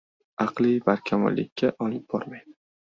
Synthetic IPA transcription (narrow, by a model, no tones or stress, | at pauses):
ɑqlˠivaɾkʲʰamɒ̰lːɪ̰kʲʰːaʔɒlɪp̚b̥ɒɾmaj